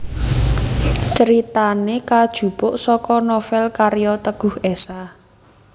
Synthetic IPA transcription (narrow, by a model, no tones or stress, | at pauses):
t͡ʃəɾit̪anekad̥ʒ̥ṳpʊʔsɔkɔnɔfɛlkaɾjɔt̪əɡ̥ʊ̤hesa